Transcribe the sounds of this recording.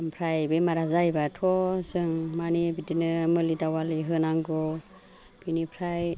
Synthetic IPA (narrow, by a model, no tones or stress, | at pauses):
mpʰɾajbemaɾazajbatʰɔsɯŋmanibitinɯmɯlidawaliɦɯnaŋɡɔ | pʰinipʰɾaj